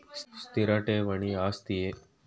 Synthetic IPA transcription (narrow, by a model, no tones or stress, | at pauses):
sst̪iɾaʈeːʋɐɳ̃iːaːst̪ie